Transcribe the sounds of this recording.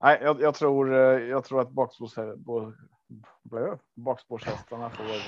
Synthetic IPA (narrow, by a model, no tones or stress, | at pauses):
nʔæɪjæjæt̪ʰɾuːɾjæɪt̪ʰɾuːɾɑt̪̚bɑːksbusɛbu | blæɛ | bɑːksbuʂhɛst̪ənæfo